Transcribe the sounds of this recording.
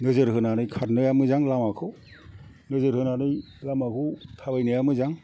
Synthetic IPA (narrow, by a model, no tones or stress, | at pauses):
nɯzɯɾɦɯnanɯjkʰat̚nɯjamɯzaŋlamakʰɯw | nɯzɯɾhɯnanɯj | lamakʰɯwtʰabajnɯjamɯzaŋ